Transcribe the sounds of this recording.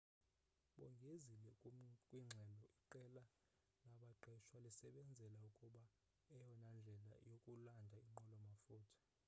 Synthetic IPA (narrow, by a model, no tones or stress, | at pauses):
ɓɔŋɡʱezilɛkʼwiŋ͡ǀʱɛlɔʔiǃɛla | naɓaǃɛʃwalisɛɓɛnd͡zʱɛlaukʼuɓa | ɛjɔnand͡ɮʱɛla̰jokʼulandʱaiŋ͡ǃɔlɔmafuːtʰɔ̥